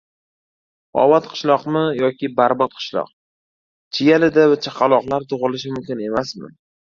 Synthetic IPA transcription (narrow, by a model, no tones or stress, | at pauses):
ɒ̰vat̪qʰɨ̥ʃlˠɒqmɪjɒkʲʰɪbaɾbɒt̪̚qʰɨ̥ʃlˠɒ̰q̚ | t͡ʃʰɪjalɪd̪avat͡ʃʰaqʰɑlˠɒqlˠaɾt̪ʰʊʁɨlɪʃmʊmkʲɪne̞masmɪ̰